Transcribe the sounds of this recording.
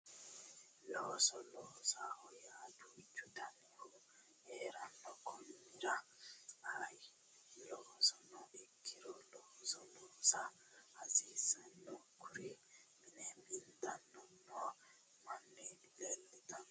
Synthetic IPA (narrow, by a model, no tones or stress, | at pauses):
lɔːsɔlɔːsahɔjaːd̪uːt͡ʃːut̪ʰanihu | ɛːɾanːɔkʰɔnːiɾa | aj | lɔːsɔnɔikʰːiɾɔlɔːsɔlɔːsa | hazisanːɔkuɾiminɛmint̪anːɔnːɔ | manːilɛlːit̪an